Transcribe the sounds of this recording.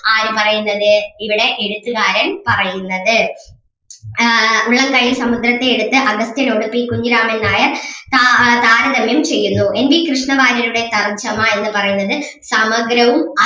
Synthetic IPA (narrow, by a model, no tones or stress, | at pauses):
aːɾupɐrɐjunːɐðɨiʋiɽe̞ʔeɽut̪ːuɣaːɾɐnpɐrɐjunːɐðɨ | uɭːɐŋkɐjilsɐmud̪rɐt̪ːe̞ːɽut̪ːɨʔɐɡɐst̪jɐno̞ɽupːikuɲd͡ʑiɾaːme̞nːaːjɐt̪at̪aːɾɐðɐmjɐmt͡ɕe̞jːunːue̞nbikrɨʂɳɐʋaːɾɐɾuɽe̞t̪ɐrd͡ʑɐmaːe̞nːɨpɐrɐjunːɐðɨ | sɐmɐɡɾɐʋumɐ